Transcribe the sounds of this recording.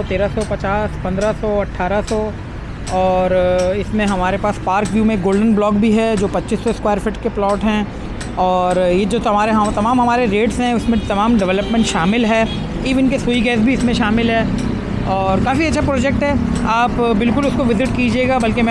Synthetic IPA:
ɔt̪eːɾasɔpɐt͡ʃaːspɐ̃nd̪ɾasɔɐʈʰːaːɾasɔ | ɔːɾɪsmẽɦɐmaːɾepaːspaːɾkʋjuːmẽɡoːlɖənblɔːkbʱiɦɛd͡ʒoːpɐtːʃisːɔskwaːəɾfɪʈkeplɔːʈɦɛ̃ | ɔːɾjed͡ʒoːt̪ɐmaːɾeɦɐt̪ɐmaːmɦɐmaːɾeɾeːʈsɦɛ̃ʊsmẽt̪ɐmaːmɖɛʋɛləpmɛ̃ːɳʈʃaːmɪlɦɛː | iːʋənkesuiɡɛːs̬bʱiɪsmẽʃaːmɪlɦɛː | ɔːɾkaːfiɐtːʃʰapɾɔːd͡ʒɛk̚ʈɦɛː | aːpbɪlkʊlʊskoʋɪzɪʈkid͡ʒieːɡabɐlkemɛ̃

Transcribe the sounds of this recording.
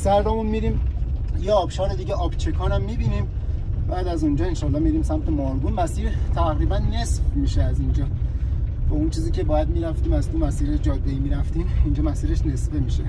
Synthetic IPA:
sæɾd̪omunmiːɾiːmjeɒːbʃɒːɾed̪iːɟeʔɒːbt͡ʃʰekʰɒːɾæmːiːbiːniːm | bæːd̪æzund͡ʒɒːenʃɒːlːɒːmiɾiːmsæmt̪ʰemɒɾɡuːnmæsiːɾt̪ʰæɣɾiːbænːe̞sfmiːʃeæzind͡ʒɒː | bæunt͡ʃʰiːziːcʰe̞bɒːjæd̪̚miːɾæft̪iːmæzt̪umæsiːɾeʃd͡ʒɒːd̪ːeiːmiːɾæft̪imind͡ʒɒːmæsiːɾe̞ʃne̞sfemiːʃe

